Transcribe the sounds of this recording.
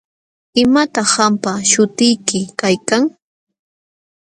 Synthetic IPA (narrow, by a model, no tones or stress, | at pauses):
ɪmat̪ɑχːampaʃʊt̪ɪjkɪkajkaŋ